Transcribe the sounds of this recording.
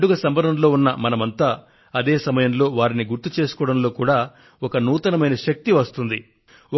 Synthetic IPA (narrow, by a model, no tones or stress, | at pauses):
ɽuɡɐsɐmbɐɾɐmlo̞ːunːɐmɐnɐmɐnt̪aː | ɐd̪e̞ːsɐmɐjɐmlo̞ːʋaːɾiniɡuɾt̪ut͡ʃe̞ːsu̥kɔːɽɐmlo̞ːkuːɽaː | ɔkɐnuːt̪ɐnɐmɐjnɐʃɐk̚t̪iʋɐst̪und̪i